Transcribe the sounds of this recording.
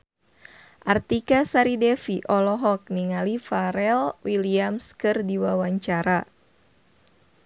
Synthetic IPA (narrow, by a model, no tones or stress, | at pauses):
ʔart̪ikasaɾidɛfiʔɔlɔɦɔk̚niŋalifaɾɛlwiliamskɨrdiwawaɲt͡ʃaɾa